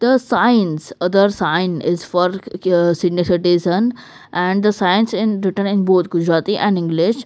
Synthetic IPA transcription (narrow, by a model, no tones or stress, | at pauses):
d̪̥əsaɪənsʌd̪əɾsaɪnɪzfɔɾsɪniseʈizə̃n | ʔæ̃ɳɖd̪əsajənsɪ̃nɾɪʈənɪ̃nboːt̪ʰɡʊd͡ʒɾaːt̪iʔɛ̃nɖɪ̃ŋɡlɪʃ